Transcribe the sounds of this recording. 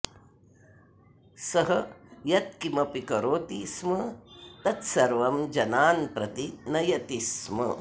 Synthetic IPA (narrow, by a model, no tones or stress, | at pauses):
sɐɦɐjɐt̪̚kimɐpikɐɾoːt̪ismɐt̪ɐt̪sɐɾʋɐmd͡ʒɐnaːnpɾɐt̪inɐjɐt̪ismɐ̰